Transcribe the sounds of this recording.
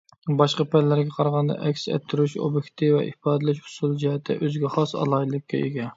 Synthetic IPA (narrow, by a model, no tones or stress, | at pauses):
bɑʃqɑpʰɛllːæɾɡʲɛqʰɑɾɑʁɑnd̪ɛ̰ʔɛkʲsɛ̰t̪ʰːyɾyʃo̰bɪkʲt̪ʰɨvɛ̰ʔḭhbɑːd̪ɨlɪʃhʊ̥sulˠd͡ʒihɛt̪ʰːɪ̰ʔøzɡʲɛχɑsɑ̰lˠɑilˠɨkʲːɛ̰ʔeɡʲɛ